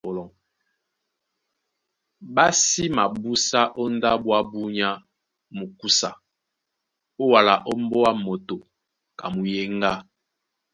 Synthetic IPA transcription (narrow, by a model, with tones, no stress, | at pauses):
lɔ˨ | ba˦si˦ma˨bu˦sa˦ʔɔ˦n˦da˦bwa˦bu˦ɲa˦ | mu˨ku˦sa˨ | o˦wa˨la˨ʔɔ˦m˦bɔ˦wa˦mo˨to˨ | ka˨mu˨je˦ŋɡa˦